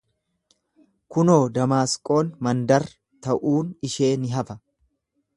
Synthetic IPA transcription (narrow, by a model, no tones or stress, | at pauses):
kʊno̞ːd̪ɐmaːskʼo̞ːnmɐnd̪ɐɾ | t̪ɐʔuːnɪʃe̞ːnɪɦɐfɐ